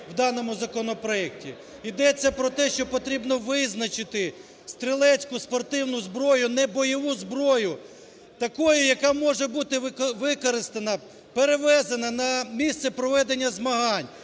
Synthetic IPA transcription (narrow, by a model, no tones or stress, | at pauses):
wd̪ɑnɔmʊzɐkɔnɔpɾɔɛk̚tʲi | id̪ɛt͡sʲːɐpɾɔt̪ɛʃt͡ʃɔpɔt̪ɾʲibnɔʋɪznɐt͡ʃɪt̪ɪ | st̪ɾɪlˠɛt͡sʲkʊspɔrt̪ɪwnʊzbɾɔjʊnɛbɔjɔʋuzbɾɔjʊ | t̪ɐkɔjʊjɐkɑmɔʒɛbut̪ɪʋɪkɔɾɪst̪ɐnɐ | peɾeʋɛzɐnɐnɐmʲist̪sɛpɾɔʋɛd̪enʲːɐzmɐɦɑnʲ